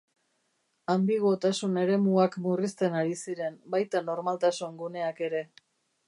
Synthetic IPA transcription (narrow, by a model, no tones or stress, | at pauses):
ambiɣ̞o̞t̪asune̞ɾe̞muakmurist̪e̞naɾisiɾe̞mbajt̪ano̞ɾmalt̪asuŋɡune̞ake̞ɾe̞